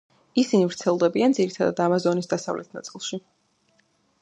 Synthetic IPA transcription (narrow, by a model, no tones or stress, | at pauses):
isinivɾt̪sʰɛlˠd̪ɛbiand̪ziɾit̪ʰad̪a̰d̪amazɔnisd̪asavlɛt̪ʰna̰t̪sʼilˠʃi